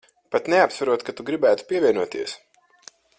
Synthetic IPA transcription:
pat̪neapsvaɾuɔt̪kat̪uɡɾibæːt̪u̥piɛvʲiɛnuɔt̪iɛs

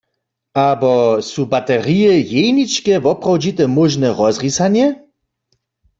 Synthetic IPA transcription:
abɔsuːbat̪ɛʁiɛjejnit͡ʃkɛvɔpʁawd͡ʒit̪ɛmoʒnɛʁɔzʁisanjɛ

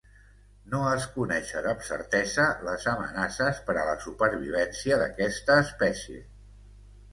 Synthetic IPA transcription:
noəskunɛʃəðəpsə̰ɾt̪ɛzələzəmə̰nasəspəɾələsupəɾβ̞iβ̞ɛnsiəðə̰kɛst̪əːspɛsjḛ

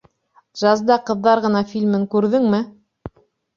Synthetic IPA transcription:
ʒɑzd̪ɑqɤ̆ðːɑɾʁɤ̆nɑfilʲmɘŋkʉɾðɘŋmɘ

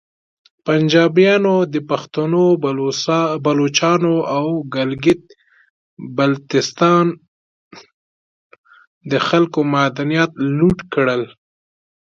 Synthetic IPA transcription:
pand͡ʒɑbjɑnod̪əpaxt̪uno | balot͡ʃɑnoawɡalɡɪt̪̚ | balt̪ɪst̪ɑn | d̪əxalkomad̪anjɑt̪luʈkɽəl

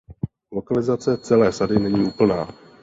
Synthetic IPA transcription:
lo̞kalɪzat͡sɛt͡sɛlɛːsadɪnɛɲiːʔuːpl̩naː

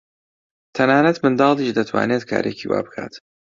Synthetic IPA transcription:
t̪ʰɐnaːnɐt̪mɨnd̪ɑːlˠdiʃd̪ɐt̪ʰwa̰ːneːt̪̚kʰa̰ːɾʔeciwa̰ːbɨkʰaːt̪

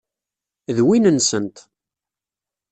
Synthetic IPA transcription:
ðwinənsənt̪

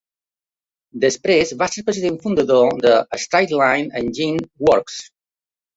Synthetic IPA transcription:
d̪əspɾezβaseɾpɾəziðẽɱfund̪əðod̪əːst̪ɾajt̪lãjnə̃nd͡ʒinwɔɾks

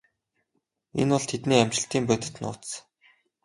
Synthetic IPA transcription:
ḛnwʊɮt̪ʰet̪niːæm̥ʲt͡ɕɪ̆ɬt̪iːmpœt̪ɪ̥̆t̪nʊ̰ːt̪s

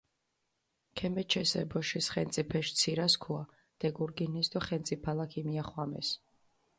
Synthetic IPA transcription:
kʰɛmɛt͡ʃʰɛsɛ̰bɔʃisχɛnt̪sʼipʰɛʃt̪sʰiɾaskʰua | d̪̥ɛɡuɾɡinɛsd̪ɔχɛnt̪sʼipʰalakʰimiaχwamɛ̰s

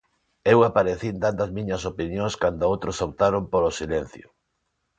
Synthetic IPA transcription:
ewapaɾeθind̪and̪ɐzmĩɲɐs̬opinjõŋskand̪oowt̪ɾosop̚t̪aɾompolosilen̟θjo

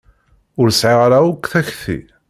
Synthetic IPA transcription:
ʊɾsʕiʁaɾaukːθæçθḭ

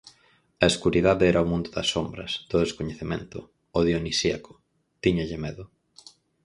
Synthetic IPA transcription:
ɐeskuɾiðaðeɛɾɐomũnd̪ʊðɐsːombɾɐ̰sd̪̥ʊðeskoɲeθemḛ̃nt̪ʊ̰ː | ðionisiɐkʊ̥ | t̪iɲɐʎɪmɛðʊ

